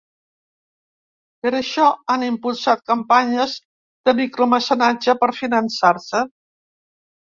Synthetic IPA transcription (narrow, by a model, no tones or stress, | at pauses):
pəɾəʃɔanimpulˠsat̪̚kəmpaɲəz | d̪̥əmikɾoməsənad͡ʒəpəɾfinənsaɾsə